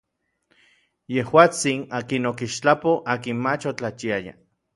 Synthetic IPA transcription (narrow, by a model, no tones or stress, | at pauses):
jehwaːt͡sinaːkinokiʃt͡ɬapoʔaːkinmat͡ʃot͡ɬat͡ʃiaja̰